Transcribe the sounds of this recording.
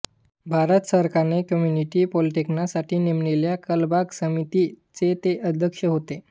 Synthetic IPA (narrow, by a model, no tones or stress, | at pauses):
bʱaɾət̪səɾkanekəmjuniʈiːpɔliʈiknasaʈʰiːnemɳeljakəlbaksəmit̪i | t͡set̪eʔəd̪ʱjəkʂəɦot̪e